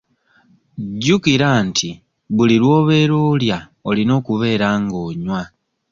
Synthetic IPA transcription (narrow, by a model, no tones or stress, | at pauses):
ɟːukiɾaːntʰi | βulilwo̞ːβe̞ːɾoːlja | olino̞ːkuβe̞ːɾaːŋɡo̞ːɲwa